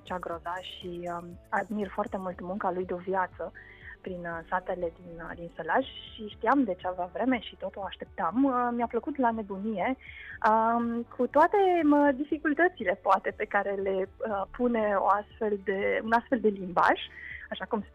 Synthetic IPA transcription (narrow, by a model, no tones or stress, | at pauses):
t͡ʃaɡɾo̞zaʃiəad̪mirfoart̪e̞mult̪muŋkalujd̪eo̞vjat̪sə | pɾinsat̪e̞le̞d̪ind̪inselaʒʃiʃt̪iamd̪e̞t͡ʃavavɾe̞me̞ʃit̪o̞t̪oaʃt̪e̞p̚t̪aməmiapləkut̪lane̞bunije̞əkʰut̪oat̪e̞əd̪ifikult̪ət̪sile̞poat̪e̞pe̞kaɾe̞le̞əpune̞oast̪fe̞ld̪e̞unast̪feld̪e̞limba̰ʒ̥aʃakum